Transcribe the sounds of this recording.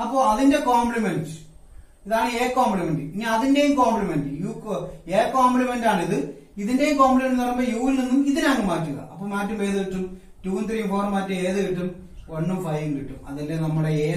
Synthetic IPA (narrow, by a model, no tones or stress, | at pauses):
ɐpːoːɐðinde̞koːmblimend | iðaːɳɨeːkoːmblimendɨiŋːɐðinde̞jumkoːmblimendɨjuːkeːkoːmblimendaːɳiðɨ | iðinde̞jumkoːmplimendnurɐmbojuːilninːumiðinaːŋːɨmaːtːuɣɐ̰ʔɐpːoːmaːtːumʋeːðuɣeʈːum | tuːɐnt̪rijumfoːrmaːtːume̞ːðɨkiʈːum | oɳːumfɐjʋiŋɡiʈːumɐ̰ðɐlːenɐmːuɽeeː